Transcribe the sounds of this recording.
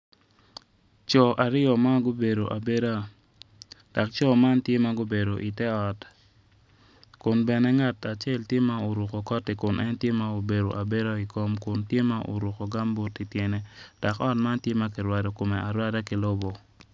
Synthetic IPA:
t͡ʃɔ˨ʔa˨ɾɪ˦ɔ˨ma˦ɡo˦be˨ɾo˨ʔa˨be˦ɾa˦ | d̥a˨k̚t͡ʃɔ˦ma˦ntje˦ma˦ɡo˦be˨ɾo˨ʔi˨tɛ˦ɔ˨t | kʊ˨nbɛ˨nɛ˦ŋa˦ta˨t͡ʃe˦˨ltje˦ma˦o˨ɾu˨ko˨kɔ˦ti˨kʊ˨nʔɛ˦ntje˦ma˦o˨be˨ɾo˨ʔa˨be˦ɾa˦i˨ko˦mkʊ˨ntje˦ma˦ʔo̰˨ɾu˨ko˨ɡa˦mbo˦ti˨tje˨ne˦d̥a˨kɔ˦tma˦ntje˦ma˦k̬i˨ɾwa˨do˨ko˨me˨a˨ɾwa˦da˦kɪ˨˦lo˦bo˨

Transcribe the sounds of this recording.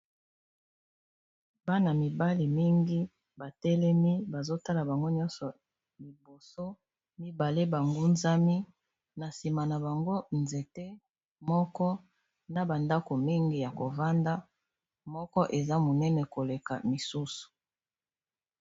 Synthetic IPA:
ba˦na˨mi˨ba˦li˨mi˦ŋɡi˦ | ba˨tɛ˦lɛ˦mi˦ba˨zo˦ta˦la˨ba˨ŋɡo˦ɲɔ̃˦nsɔ˨ | li˨bo˨so˦ | mi˦ba˨le˦ba˨ŋɡo˦nza˦mi˦ | na˨si˨ma˨na˨ba˨ŋɡo˦nze˨te˦ | mɔ˦kɔ˦ | na˨ba˨nda˦ko˨mi˦ŋɡi˨ja˨ko˨va˦nda˦ | mɔ˦kɔ˦ʔe˨za˦mo˨nɛ˦nɛ˨ko˨le˨ka˨mi˨su˦su̥˨

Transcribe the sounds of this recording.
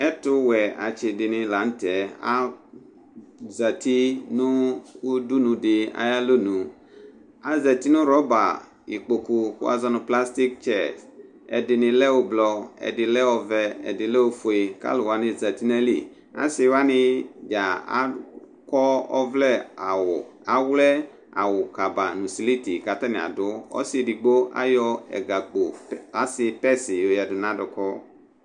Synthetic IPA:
ɛ˦tʊ˦wɛ˨a˨t͡ʃɪ˨dɪ˨nɪ̃˨la˨˦n̩˦tɛ˨a˦ | za˨ti˦nʊ̃˦wu˦du˦nũ˨dɪ˨a̰˦ja˦lo˦nũ˨ | a˨zɛ˨t̪i˦nʊ̃˦ɾɔ˦ba˨ | i˨k͡po˨ku˨xʊ̰˦a̰˦zɔ˦nʊ̃˨pla˦st̪i˦k̚t͡ʃɛ˦˨s | ɛ̰˨dɪ˨nɪ̃˨lɛ˦wʊ˦blɔ˨ɛ̰˨dɪ˨lɛ˦ɔ˨vɛ˨ɛ̰˨dɪ˨lɛ˦wo˦fo˨e˨ka̰˦lʊ˨wa˦nɪ̃˦d͡zɛ˨t̪i˦nɛ˦lḭ˨ | a̰˦sɪ˦wa˦nɪ˦d͡ʒa˨a̰˦ | kɔ˦ɔ̰˦vlɛ˦a˨wʊ˨a˨wlɛ˦ | a̰˨wʊ˨ka˨ba˨nũ˨si˨li˦ti˨ka˨t̪a˦nɪ̃˨a̰˨dʊ˦ɔ̰˦sɪ˦˨di˨ɡ͡bo˦a̰˦jɔ˦ɛ̰˨ɡa˨ɡ͡bo˨a˨˦sɪ˦pɛ˦sɪ˨jo˨ja˨dʊ˨nã˦dʊ˨kɔ˦

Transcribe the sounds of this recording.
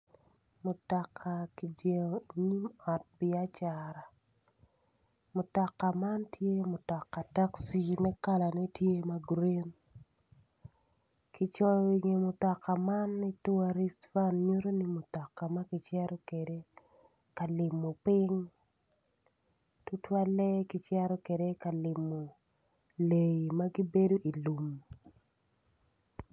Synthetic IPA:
mʊ˨tɔ˨kʰa˨ki˨d͡ʒe˨ŋo˨i˨ɲi˦mɔ˨t̚bɪ˦a˦t͡ʃaɾa˨ | mʊ˨tɔ˨kːa˨ma˦ntje˦mʊ˨tɔ˨kːa˨ta˦ksi˦mɛ˦ka˦la˨nɛ˦tje˦ma˦ɡɾi˦n | ki˦t͡ʃɔ˦jo˦˨i˨ŋe˨mʊ˨tɔ˨ka˨ma˦nːi˦tu˦a˦ɾi˦stva˦nɲu˦ɾo˦ni˦mo˨tɔ˨kːa˨ma˦ɡɪ˨t͡ʃɛ˦ɾɔ˦ke˨de˦ | ka˨lɪ˨mːo˨pɪ˦ŋ | tu˦twa˦lɛ˦ki˦t͡ʃɛ˦ɾɔ˦ke˨de˦ka˨lɪ˨mːo˨ | le˨i˨ma˦ɡi˦be˦do˦ʔi˨lu˨m

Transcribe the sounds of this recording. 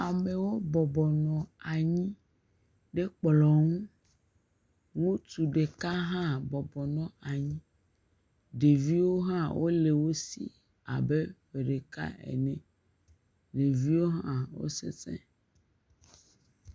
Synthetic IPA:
a˨me˨wo˦bɔ˨bɔ˨nɔ̃˨a˨ɲĩ˦ | ɖe˦k͡plɔ˨ŋũ˦ | ŋũ˦t̪u˨ɖe˨ka˦ɦã˦bɔ˨bɔ˨nɔ̃˦a˨ɲĩ˦ | ɖe˨vi˦wo˦ɦã˦wʔo̰˦le˨wo˦sḭ˦ | a̰˨be˦ɸe˨ɖe˨ka̰˦ɛ̰˨nɛ̃˨ | ɖe˨vi˦wo˦ɦã˦wo̰˦sḛ˦sḛ̃˦

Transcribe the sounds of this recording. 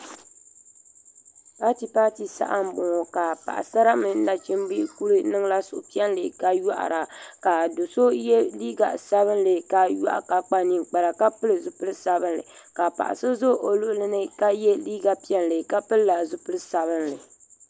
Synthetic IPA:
pa˦ti˨pa˦ti˨sa̰˦ʔa˦m̩˦bʊ˨ŋɔ˨ka˨pa̰˨ʔa̰˨sa˦ɾa˦mɨ˨n̩˦da˨t͡ʃi˦m˦bi˦ku˦lɨ˦nɨ˦ŋ˦la˦sʊ̰˨ʔʊ˨pi˦ɛ˦n˦lɨ˨ka˦ja˦ʔa̰˨ɾa˨ka˨do˨so˦jɛ˦liː˦ɡa˨sa˦βɨ˦nlɨ˨ka˦ja̰˦ʔka˨k͡pa˦ni˨nk͡pa˨la˨ka˦pɨ˦lɨ˨zʊ˨pɨ˦lɨ˦sa˦bɨ˦nlɨ̰˨ka˨pa̰˨ʔa̰˨sɨ˦zʊ˦ʔo˨lʊ˦ʔlɨ˦nɨ˦ka˦jɛ˦liː˦ɡa˨pi˦ɛ˦nlɨ˨ka˦pɨ˦lla˨zʊ˦pɨ˦lɨ˦sa˨βɨ˦nlɨ˨

